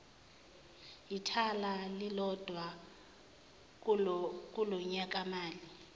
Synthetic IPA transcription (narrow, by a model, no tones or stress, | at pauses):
itʰalalilɔd̥ʱwa | k̬ʼulɔɲak̬ʼamaːli